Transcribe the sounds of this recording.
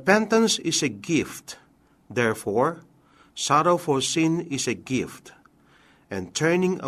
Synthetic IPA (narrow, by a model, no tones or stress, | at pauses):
pɛ̃nt̪ə̃nsɪseɡɪft̪ | d̪ɛɹfɔɹ | saɾoʊfɔɹsɪ̃nɪseɡɪft̪ | ʔɛ̃nt̪ʰɛɹnɪ̃ŋ̰